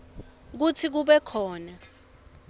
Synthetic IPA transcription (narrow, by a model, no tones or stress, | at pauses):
k̬ut͡sʰik̬uɓɛkʰɔːna